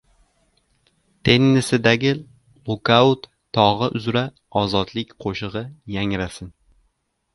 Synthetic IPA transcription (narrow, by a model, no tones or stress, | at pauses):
t̪ʰe̞nːɪsɪd̪aɡʲɪ | lʊkaʊt̪ | t̪ʰːɒʁɨʔʊzɾa | ɒzɒd̪lɪkʲqʰoʃɨʁɨjaŋɾasɪn